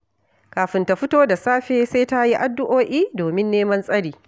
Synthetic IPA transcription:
kaː˨ɸɪ˨nta˨ɸʊ˦toː˦da˨saː˦ɸeː˦sa˦ta˦ji˦ʔa˨dːʊ˦ʔoː˦ʔiː˦doː˨mɪ˦nːeː˦mɐ˦nsʼɐ˦ɽiː˨

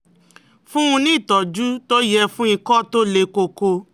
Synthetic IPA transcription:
fũ˦ũ˧nĩ˦˨tɔ˨d͡ʒu˦to˦jɛ˧fũ˦i˧kɔ˦˨to˦le˧ko˧ko˧

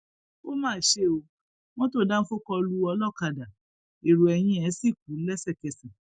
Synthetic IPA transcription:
o˦mãː˦˨˦ʃe˦˨o˧ | w̃ɔ̃˦to˦˨dã˦n̩˦fo˦kɔ˧lu˧˦ɔ˧lɔ˦˨ka˧da˨ | e˨ɾu˨ɛ˧j̃ĩ˧˦ɛ˨˦si˦˨k̚u˨˦lɛ˦sɛ˦˨kɛ˧sĩ˨

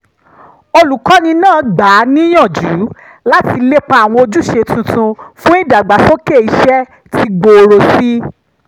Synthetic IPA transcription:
o˧lu˨kɔ˨˦nĩ˧nãː˦˨˦ɡ͡ba˨˦nĩ˦jɔ̃˦˨d͡ʒu˨˦ | la˦ti˧le˦k͡pa˦a˨w̃ɔ̃˧o˧d͡ʒu˦ʃe˧tũ˧tũ˧fũ˦i˦˨da˨ɡ͡ba˨so˦ke˦˨i˧ʃɛ˦ | tʰi˧ɡ͡bo˧ɾo˧si˦

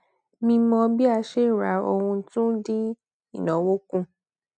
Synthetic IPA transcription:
mĩ˧mɔ̃˧bi˦a˧ʃe˦˨ɾa˨˦o˧hũ˧tũ˦di˦ | i˦˨nɔ̃˨˦wo˦kũ˦

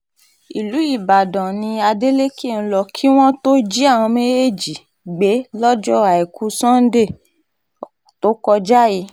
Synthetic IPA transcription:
i˨lu˨˦i˦˨ba˨dɔ̃˨nĩ˧a˧de˦le˦ke˦˨ñ̩˦lɔ˦kʰi˦w̃ɔ̃˦to˦d͡ʒi˦a˦˨w̃ɔ̃˧mẽ˦e˦˨d͡ʒi˨ | ɡ͡be˨˦lɔ˦d͡ʒɔ˦a˨ɛ˨ku˧sɔ̃˦n̩˦de˦˨ | to˨˦kɔ˧d͡ʒa˦ji˧˦

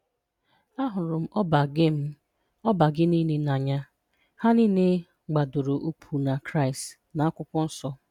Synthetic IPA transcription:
a˦ɦʊ˨ɾʊ˨m̩˦ʔɔ˦ba˨ɡɪ˦m̩˦ | ɔ˦ba˨ɡɪ˦ni˦ne˦na˨ɲa˦ | ha˦ni˦ne˦ | ɡ͡ba˨dʊ˨ɾo˨ʔu˦k͡pʰu˨na˨kɾa˦ɪ˨st | na˨a˦kʷʊ˦kʷʊ˦n̩˦sɔ˦

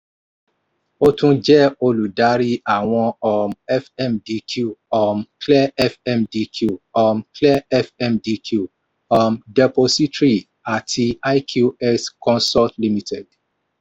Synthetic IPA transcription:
o˦tũ˦d͡ʒɛ˦o˧lu˨da˦ɾi˦a˨w̃ɔ̃˧ɔ˨mɛ˦fɛ˦mdi˧kʰju˦ɔ˨mklɛ˦ɛ˦fɛ˦mdi˧kʰju˨ɔ˨mkʰlɛ˦fɛ˦mdi˦kʰu˦˨ | ɔ˨mdɛ˨po˧si˦tɾi˦ | a˨tʰi˧a˦jkʰju˦ɛ˦skɔ̃˦nsɔ˦ltli˦mi˦tʰɛ˨d

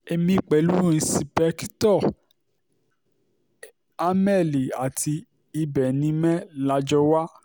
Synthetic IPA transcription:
e˧mĩ˧˨k͡pɛ˨˦lu˦ĩ˧˦si˧pɛ˧˦ktɔ˦˨ | a˦mɛ˦˨li˨a˨tʰi˧ | i˧bɛ˨nĩ˧mɛ̃˦la˧˦d͡ʒɔ˧wa˦

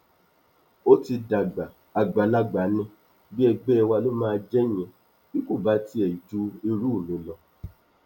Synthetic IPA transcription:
o˦ti˧da˨ɡ͡ba˨ | a˨ɡ͡ba˨la˦ɡ͡ba˨nĩ˧˦ | bi˦ɛ˧ɡ͡bɛ˦ɛ˧wa˧lo˦mãː˦˧d͡ʒɛ˦˨ɲ̃ɛ̃˨ | bi˦ko˦˨ba˨˦ti˦ɛ˨i˨d͡ʒu˦i˧ɾu˦˨mĩ˨˦lɔ˧˨

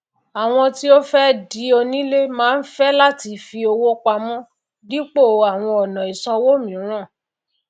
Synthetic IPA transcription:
a˨w̃ɔ̃˧ti˦o˦fɛ˦di˨˦o˧nĩ˦le˦mãː˦n̩˦fɛ˦la˦ti˧fi˧o˧wo˦k͡pa˧mɔ̃˦ | di˦k͡po˦˨a˨w̃ɔ̃˧ɔ˨nɔ̃˨i˨sã˧wo˦mĩ˨˦ɾ̃ã˦˨

